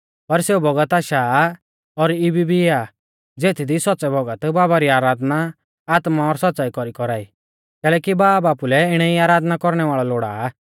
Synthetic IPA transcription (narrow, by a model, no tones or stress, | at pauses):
pɐɾseubɔɡət̪aːʃa | ɔɾɪbibia | d͡zeːt̪ʰid̪isɔtːsɛbɔɡət̪baːbaɾiaːɾaːd̪na | aːt̪maɔɾsɔtːt͡saːikɔɾikɔɾaːiː | kɛːlɛːkibaːbaːpulɛɪɽ̃ɛiaːɾaːd̪nakɔɾɽ̃ɛʋaːɭɔloːɽa̰ː